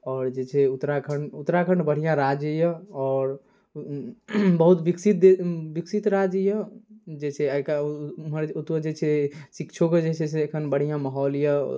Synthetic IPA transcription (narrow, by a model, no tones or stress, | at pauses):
ɔːɾd͡ʒet͡ʃʰɛut̪ːɾakʰəɳɖut̪ɾakʰəɳɖbəɽ̤ijãɾad͡ʒəjəɔːɾ | bəɦut̪biksit̪̚ebiksit̪ɾad͡ʒəjəd͡ʒet͡ʃʰɛəikaməɾut̪əd͡ʒet͡ʃʰɛsikt͡ʃʰoked͡ʒet͡ʃʰɛsekʰənbəɽ̤ijãməɦɔljə